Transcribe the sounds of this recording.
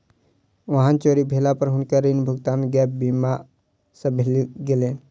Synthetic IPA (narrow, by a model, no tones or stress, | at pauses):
ʋɐɦãnt͡ʃoɾibʱeːlapəɾɦʊnkaɾinbʱʊɡt̪aːnɡɛːp̚bima | sə̃bʱeliɡeleːn